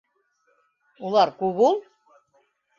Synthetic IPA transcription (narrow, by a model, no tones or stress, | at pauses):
ulˠɑɾkuβulˠ